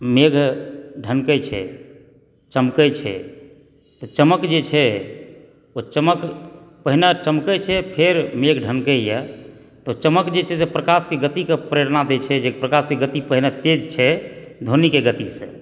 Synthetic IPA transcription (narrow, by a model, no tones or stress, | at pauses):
meɡʱɖʱənkət͡ʃʰɛ̰ | t͡ʃəmkəjt͡ʃʰɛ̰ | t̪ɔt͡ʃəməkd͡ʒet͡ʃʰɛ | ot͡ʃəməkpəɦinət͡ʃəmkət͡ʃʰɛpʰeɾmeɡʱɖʱənkəjə | t̪ɔt͡ʃəməkd͡ʒet͡ʃʰɛsepɾəkaskeɡət̪ikepɾeɾnad̪et͡ʃʰɛd͡ʒepɾəkaskeɡət̪ipəɦinət̪ed͡ʒt͡ʃʰɛd̪ʱonikeɡət̪isḛ̃